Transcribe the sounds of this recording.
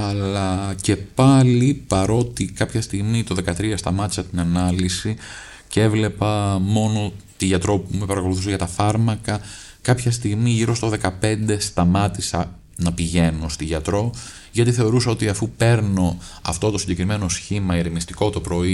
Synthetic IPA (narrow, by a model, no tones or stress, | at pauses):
ɐlɐce̞pɐlipɐɾo̞t̪ikɐpçɐst̪iɣmit̪o̞ðe̞kɐt̪ɾiɐst̪ɐmɐt̪i̥sɐt̪inɐnɐlisi | cee̞vle̞pɐmo̞no̞t̪iʝɐt̪ɾo̞pume̞pɐɾɐkoluθuseʝɐt̪ɐfɐɾmɐkɐ | kɐpçɐst̪iɣmiʝiɾo̞st̪o̞ðe̞kɐpe̞nd̪e̞st̪ɐmɐt̪isɐ | nɐpiʝe̞nost̪iʝɐt̪ɾo̞ | ʝɐt̪iθe̞o̞ɾusɐo̞t̪iɐfupe̞ɾno̞ɐ̰ft̪o̞t̪o̞siɲɟe̞kɾime̞no̞sçimɐiɾemist̪iko̞t̪o̞pɾo̞i